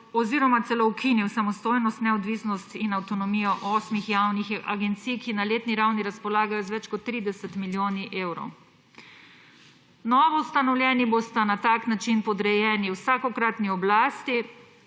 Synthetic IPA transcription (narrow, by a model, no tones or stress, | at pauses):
ɔziːɾɔmat̪sɛlowkʰiniwsamɔst̪oːjnɔst̪nɛɔd̪ʋiːsnɔst̪inawt̪ɔnɔmiːjɔʔɔːsmixjawnixa̰ɡɛnt̪sijkinaleːt̪niɾawniɾaspɔlaːɡajɔzʋɛt͡ʃkɔt̪ːɾiːd̪ɛsɛt̪miljoːniʔeːwɾɔ̰w | nɔːʋɔwst̪anɔwlʲjɛːnibost̪anat̪aknat͡ʃinpɔd̪ɾɛjɛːniwsaːkɔkɾat̪niɔblaːst̪i